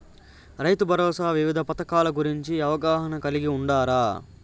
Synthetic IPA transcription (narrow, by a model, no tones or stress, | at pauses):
ɾɐjt̪ubʱɐɾɔːsaːʋiʋid̪ʱɐpɐt̪ɐkaːlɐɡuɾiɲt͡ʃiɐʋɐɡaːɦɐnɐkɐliɡiuɳɖaːɾaː